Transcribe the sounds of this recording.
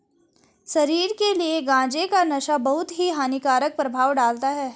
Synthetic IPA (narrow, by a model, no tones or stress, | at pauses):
ʃɐɾiːɾkelieɡãːd͡ʒekanɐʃabɐɦʊt̪ɦiɦaːnikaːɾək̚pɾɐbʱaːʋɖaːlt̪aɦɛː